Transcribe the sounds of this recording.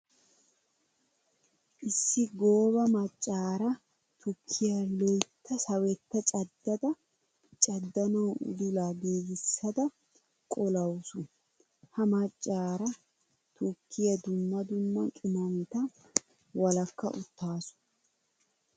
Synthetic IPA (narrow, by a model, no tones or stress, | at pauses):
ʔɪsːɪɡo̞ːβɐmɐt͡ʃʼːaːɾɐ | t̪ʰʊkʰːɪjɐlɔjt̪ʰːɐsɐwɛt̪ːɐt͡ʃʼɐd̪ːɐd̪ɐ | t͡ʃʼɐd̪ːɐnɐwʊ̰d̪ʊlaːɡiːɡɪsːɐd̪ɐ | kʼɔlɐwsʊ | hɐmɐt͡ʃʼːaːɾɐ | t̪ʊkʰːɪjɐd̪ʊmːɐd̪ʊmːɐt͡ʃʼʊmɐmɪt̪ɐ | wɐlɐkːɐ̰ʔʊt̪ːaːsʊ̥